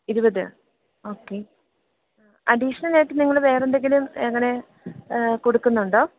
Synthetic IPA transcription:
iɾubɐðɨ | o̞ːkːe̞ | ɐ̰ɖiʂɐnɐleːʈːɨniŋːɐɭʋe̞ːrend̪e̞ŋɡilumeŋːɐne̞ | kuɽukːunːuɳɖo̞ː

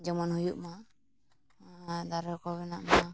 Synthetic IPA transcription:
d͡ʒɔmɔnhujuʔma | d̪aɾɔkɔβɛna̰ʔma

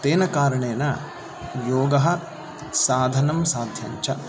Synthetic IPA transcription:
t̪eːnɐkaːɾɐɳeːnɐ | joːɡɐɦɐ | saːd̪ʱɐnɐmsaːd̪ʱjɐ̰ɲt͡ʃɐ

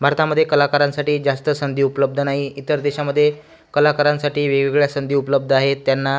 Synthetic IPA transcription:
bʱaɾt̪aməd̪ʱːjekəlakaɾãnsaʈiːd͡zast̪əsənd̪ʱiːupələb̚d̪ʱənaɦiit̪əɾd̪eɕaməd̪ʱːje | kəlakaɾãnsaʈiːʋeɡiɡɭjasənd̪ʱiːupələb̚d̪ʱəaɦet̪ːjanːa

